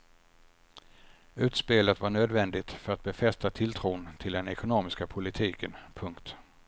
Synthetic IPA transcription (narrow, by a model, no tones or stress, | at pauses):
ʉ̟ːt̪speːlət̪vaɳøːd̪vɛnd̪ɪt̪fœɾat̪̚bɛfɛst̪at̪ʰɪlt̪ʰɾuːnt̪ʰɪld̪ɛnɛkʊnoːmɪskapʰʊlɪt̪ʰiːkənpʰɵŋkt̪